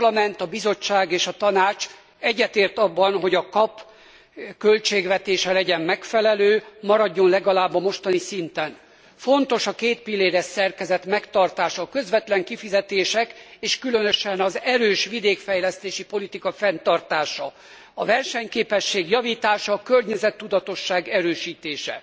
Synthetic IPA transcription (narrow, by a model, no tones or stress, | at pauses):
lɒmɛnt̪ɒbizo̞t͡ʃːaːɡeːʃɒt̪ɒnaːt͡ʃ | ɛɟːɛt̪eːrt̪ɒbːɒnɦo̞ɟɒkɒp | kølt͡ʃeːɡʋɛt̪eːʃɛlɛɟɛmmɛkfɛlɛløːmɒɾɒɟːo̞nlɛɡɒlaːbːɒmo̞ʃt̪ɒnisint̪ɛn | fo̞nt̪o̞ʃɒkeːt̪pilːeːɾɛssɛrkɛzɛt̪mɛkt̪ɒrt̪aːʃɒːkø̞zʋɛt̪lɛŋkifizɛt̪eːʃɛkeːʃkylønøʃɛnɒzɛɾøːʃʋid̪eːkfɛjlɛst̪eːʃipo̞lit̪ikɒfɛnt̪ɒrt̪aːʃɒ | ɒvɛrʃɛɲkeːpɛʃːeːɡjɒviːt̪aːʃɒːkørɲɛzɛt̪ːud̪ɒt̪o̞ʃːaːɡɛɾøːʃiːt̪eːʃɛ̰